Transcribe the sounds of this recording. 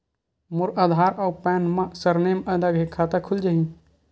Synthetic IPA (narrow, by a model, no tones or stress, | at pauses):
mʊɾaːd̪ʱaːɾɔːɾpɛːnmãsɐɾneːmɐd̪aɡɦekʰaːt̪akʰʊld͡ʒaɦĩ